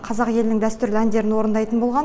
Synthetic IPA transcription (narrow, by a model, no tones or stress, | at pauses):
qʰɑzɑqje̞lɪnɪŋd̪æst̪ʏɾlænd̪e̞ɾɪnwo̞ɾənd̪ɑjt̪ənbo̞lˠʁɑn